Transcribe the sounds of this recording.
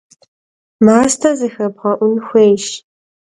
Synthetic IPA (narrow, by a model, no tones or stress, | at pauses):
maːstʰɐzɨxɐbʁɐʔʷʊnxʷeːjʃ